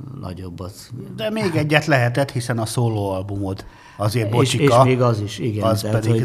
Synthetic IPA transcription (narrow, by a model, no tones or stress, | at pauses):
nʔɒ̰ɟobːɒzd̪ɛmeːɡɛɟːɛt̪lɛɦɛt̪ɛt̪hisɛnɒsoːloːɒlbumot̪ | ɒzeːrboʃt͡ʃikːɒmeːɡɒziʃiɡɛɒspɛd̪iɡ